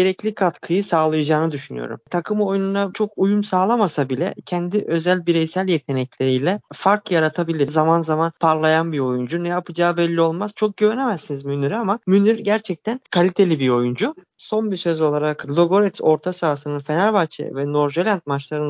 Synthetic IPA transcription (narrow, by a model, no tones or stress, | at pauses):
ɟe̞ɾɛclʲikʰat̪kʰɯjɯsaːlˠajad͡ʒaːnɯd̪yʃyny̰jo̞̰ɾṵmt̪ʰakʰɯmo̞jununat͡ʃʰo̞kujumsaːlˠamasabilʲɛ̰cʰɛnd̪iʔø̞zælʲbiɾɛjsælʲjet̪ʰe̞nɛclʲeɾijlʲɛfaɾkljaɾat̪ʰabilʲiɾzamanzamanpʰaɾlˠajanbiɾo̞jund͡ʒunɛjapʰɯd͡ʒaːbɛlʲːio̞lˠmaz̥t͡ʃʰo̞k̚ɟøɾenemæzːinizmynyɾamamynyɾɟæɾt͡ʃʰɛc̚t̪ʰænkʰalʲit̪ʰe̞lʲibiɾo̞jund͡ʒu | so̞nbisø̞zo̞lˠaɾaklˠoɡo̞ɾɛt̪so̞ɾt̪ʰasaːsɯnɯnfe̞nalʲbat͡ʃʰḛvɛno̞ɾʒelʲant̪̚mat͡ʃlˠaɾɯn